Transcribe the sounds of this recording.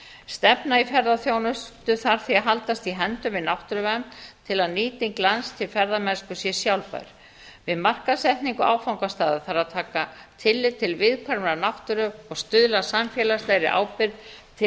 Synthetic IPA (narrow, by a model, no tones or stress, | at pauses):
st̪ɛpnaifɛɾðaθjoːwnʏst̪ʏθaɾ̥θiaðɦalt̪ast̪iɦɛnt̪ʏmvɪðnawht̪ʏɾʏvamt̪ʰɪlaðniːt̪ɪŋklanst̪ʰɪlfɛɾðamɛnskʏsjɛsjawlpa̰jɾ̥ | vɪðmar̥kasɛht̪niŋkʏa̰ːwfawŋkast̪aːðʏθaɾaðt̪ʰaːkat̪ʰɪlːɪðt̪ʰɪlvɪðkʰvaɾmɾanawht̪ʏɾʏɔɣst̪ʏðlasamfjɛːlast̪lɛjɾɪʔa̰ːwpɪɾðt̪ʰɪ